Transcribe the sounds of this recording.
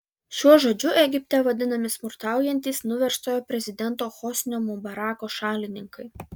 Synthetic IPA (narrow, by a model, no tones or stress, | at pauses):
ʃʲuɔʒoːd͡ʒʲʊʔɛɡʲɪpʲt̪ʲɛʋɐd̪ʲɪnɐmʲɪsmʊɾt̪ɑˑʊjɛnʲt̪ʲiːsnʊʋʲɛɾʃt̪oːjoːpʲɾʲɛzʲɪd̪ʲɛnˑt̪oːxɔsʲnʲoːmʊbɐɾɑːkoːʃɑːlʲɪnʲɪŋkɐɪ